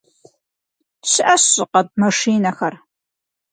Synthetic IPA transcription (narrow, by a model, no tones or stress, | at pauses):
ɕɪʔɐɕɪqɐd̚mɐʂiːnɐxɐr